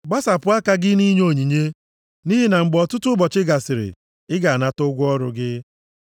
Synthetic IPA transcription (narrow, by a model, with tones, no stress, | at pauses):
ɡ͡ba˦sa˨pʊ˨˦a˦ka˦ɡɪ˦ni˦ɲ˦o˦˨ɲi˨ɲe˦ | ni˦ɦɪ˦na˨ŋ͡m̩˨ɡ͡bɔ˨tʊ˦tʊ˦bɔ˨t͡ʃɪ˦ɡa˨sɪ˨ɾɪ̰˨ | ɪ˦ɡa˨na˦tʊ˦ɡʷʊ˦ɔ˦ɾʊ˦ɡɪ˦